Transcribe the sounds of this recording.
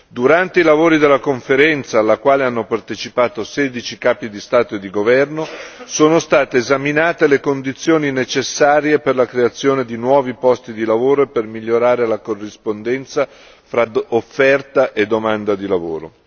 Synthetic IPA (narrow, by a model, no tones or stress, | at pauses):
d̪uɾant̪eilavoːɾid̪elːakoɱfeɾɛnt̪saːlːakwaːleanːopart̪et͡ʃipaːt̪osɛːd̪it͡ʃikaːpid̪ist̪aːt̪oed̪ːiɡovɛrnosoːnost̪aːt̪eːzaminaːt̪elekond̪it̪sːjoːninet͡ʃesːaːɾjeperlakɾeat̪sːjoːned̪inwɔːvipɔst̪id̪ilavoːɾoepːermiʎːoɾaːɾelakorːispond̪ɛnt̪sa | fɾaofːɛrt̪aʔed̪ːomand̪ad̪ilavo̰ːɾo̰